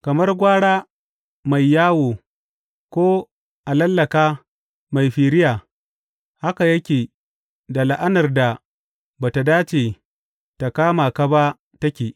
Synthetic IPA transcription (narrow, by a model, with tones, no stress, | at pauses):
kɐ˨mɐ˦rɡʷaː˦ɽaː˦ | ma˨jːaː˦woː˨ | kʷoː˦ | ʔa˨lɐ˦lːɐ˨kaː˦ | ma˨jɸiː˨ɾɪ˦jaː˨ | ha˦ka˨jɐ˦kʲeː˨ | da˨la˦˨ʔa˦nɐ˨rda˨ | baː˨ta˨daː˦t͡ʃeː˨ | ta˨kaː˦ma˨ka˦ba˦ | tɐ˦kʲeː˨